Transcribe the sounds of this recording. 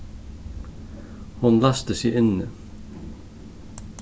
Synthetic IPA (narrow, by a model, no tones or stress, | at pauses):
hunlast̪ɪsjɛɪnːɪ